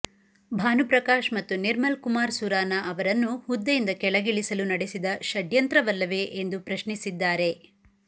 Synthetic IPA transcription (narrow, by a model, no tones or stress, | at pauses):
bʱaːnupɾɐkaːʃmɐt̪ːuniɾmɐlkumaːɾsuɾaːnɐʔɐʋɐɾɐnːuhud̪ːɐjind̪ɐkɛɭɐɡiɭisɐlunɐɽesid̪ɐʃɐd̪jɐnt̪ɾɐʋɐlːɐʋe̞ʔend̪upɾɐʃɳisid̪ːaːɾe̞